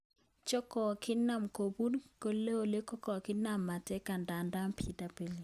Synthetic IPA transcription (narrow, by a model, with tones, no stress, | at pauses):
t͡ʃɔ˦kɔ˨kʰɪ˦nːa˦mko˨bu˦dko˦le˦o˨le˦kɔ˦kɔ˨kɪ˦na˨mːa˨tɛ˦ka˨nda˨nda˦mpʰi˦da˨pe˨li˨